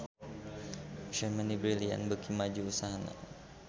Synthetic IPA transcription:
t͡ʃəmənibɾilia̰nbəkʰimad͡ʒuusaɦana̰

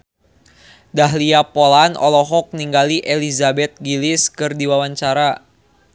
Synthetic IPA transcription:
daɦliapolanɔ̰lɔɦɔk̚niŋɡaliʔelizabɛt̪̚ɡilɪskɨrdiwawaɲt͡ʃaɾa

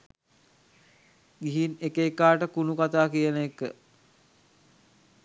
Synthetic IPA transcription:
ɡiɦinekeːkaːʈəkunukat̪aːkijənəekːə̰

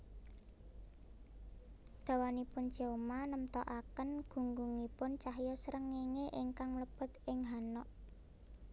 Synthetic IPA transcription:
d̪̥a̤wanipʊn̥d͡ʒ̥e̤manəmt̪ɔʔakənɡ̥ṳŋɡuŋipʊnt͡ʃaɦjɔsəɾəŋeŋeʔɪŋkaŋləb̥ə̤t̪ɪŋɦanɔʔ

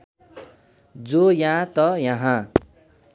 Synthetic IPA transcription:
d͡zojãt̪ʌjʌɦã

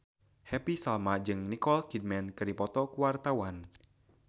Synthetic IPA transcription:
hɛpisalmad͡ʒɨŋnikɔlkid̚mɛnkɨrdipɔt̪ɔkuwart̪awan

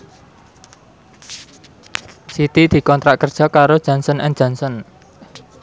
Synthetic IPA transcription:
sit̪id̪̥i̤kɔnt̪ɾaʔkərd̥ʒ̥ɔ̤kaɾod̥ʒ̥ä̤nsənʔɛn̥ʒ̥a̤nsɔn

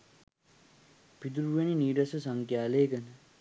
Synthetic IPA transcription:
pid̪uɾuʋeniniːɖɐsɐsɐŋkjaːleːkɐnə

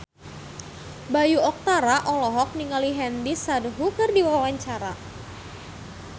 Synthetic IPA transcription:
bajuɔk̚t̪aɾaʔɔlɔɦɔk̚niŋaliɦɛndisadɦukərdiwawaɲt͡ʃaɾa

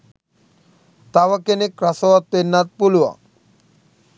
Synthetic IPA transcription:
t̪awakenekɾasowat̪̚penːat̪̚puluwa̰

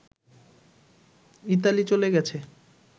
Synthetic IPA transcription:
it̪̬alit͡ɕoleɡɛt͡ɕʰe

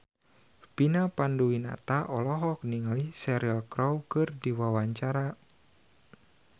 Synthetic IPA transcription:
pinapanduwina̰t̪aʔɔlɔɦɔk̚niŋalihsɛɾialkɾɔwkɨrdiwawaɲt͡ʃaɾa

